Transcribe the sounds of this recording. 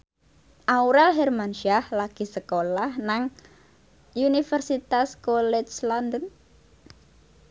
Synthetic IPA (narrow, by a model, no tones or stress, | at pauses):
ʔawɾɛlɦermanʃahlaɡ̥i̤səkolahnaŋ | unifərsit̪askolɛt͡ʃlɔnd̪ən